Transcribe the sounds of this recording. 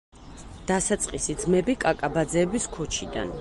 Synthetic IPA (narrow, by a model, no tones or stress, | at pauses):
d̪̥asat̪sʼqʼisid̪zmɛbikʼakʼabad̪zɛːbiskʰɔt͡ʃʰid̪a̰n